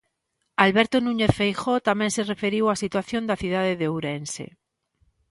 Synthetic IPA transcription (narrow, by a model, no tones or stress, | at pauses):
alβeɾt̪onũɲeθfejxot̪amẽnserefeɾiwasit̪waθjond̪aθuð̞aðeðeowɾensḛ